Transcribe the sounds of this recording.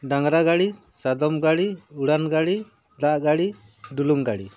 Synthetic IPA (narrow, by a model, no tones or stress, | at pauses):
ɖaŋɾaɡaɽisad̪ɔmɡaɽiuɽanɡaɽi | d̪aʔɡaɽi | ɖuluŋɡaɽi